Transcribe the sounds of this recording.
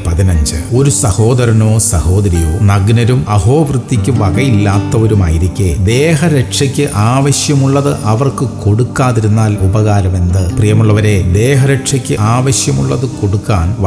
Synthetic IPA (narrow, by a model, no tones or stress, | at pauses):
pɐðinɐɲd͡ʑɨo̞ɾusɐho̞ːd̪ɐɾɐnoːsɐho̞ːd̪ɐɾijoːnɐɡnɐɾumɐɦo̞ːʋrɨt̪ːikʲːɨʋɐɣɐjilːaːt̪ːɐoɾuma̰ːjiɾikʲːeːd̪eːɦɐɾeʈʂɐkʲːɨʔaːʋɐɕjɐmuɭːɐðɨʔɐʋɐrkɨko̞ɽukːaːðiɾunːaːlubɐɣaːɾɐme̞nd̪ɨprijɐmuɭːɐʋɐɾe̞ːd̪eːɦɐɾeʈʂɐkʲːɨaːʋɐɕjɐmṵɭːɐðɨko̞ɽukːaːnʋɐ